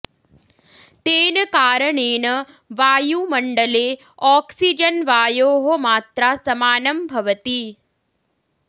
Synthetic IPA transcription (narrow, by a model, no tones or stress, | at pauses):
t̪eːnəkaːɾəɳeːnə | ʋaːjumɐɳɖəle | ɔːksid͡ʒənʋaːjoːɦomaːt̪ɾasɐmaːnəmbʱɐʋət̪i